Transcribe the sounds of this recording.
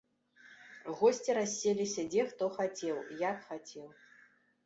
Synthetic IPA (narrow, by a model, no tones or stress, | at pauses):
ɣɔsʲt͡sʲiɾasʲːelʲisʲɐd͡zʲɛxt̪ɔxat͡sʲɛwjakxat͡sʲɛw